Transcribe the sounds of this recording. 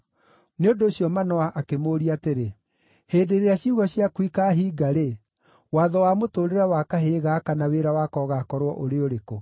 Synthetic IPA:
neondoːɕjɔmanɔaʔakemoːɾiateɾe | heːdeɾeaɕjuɣɔɕjakwikaɦiːɡaɾe | waːðɔwamotoːɾeɾawakaɦeːɣakanaweɾawakɔːɣakɔɾwɔʔoɾeoɾeko

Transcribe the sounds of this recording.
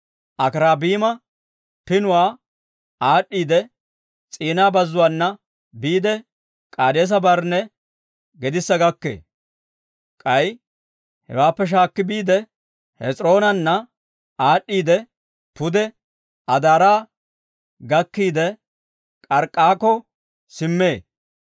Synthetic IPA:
ʔɐkɾaːbiːmɐ | pɪnʊwaː | aːɗiːd̪ɛ | t͡sʼiːnaːbɐzːʊwaːnːɐ | biːd̪ɛ | kʼaːd̪eːs̬ɐbɐɾnɛ | ɡɛd̪ɪsːɐɡɐkːḛː | kʼɐj | hɛ̰waːpːɛʃ̬aːkːɪbiːd̪ɛ | hɛt͡sʼɾo̞ːnɐnːɐ | aːɗːiːd̪ɛ | pʊd̪ɛ | ɐd̪aːɾaː | ɡɐkːiːd̪ɛ | kʼɐɾkʼːaːkɔ | sɪmːe̞ː

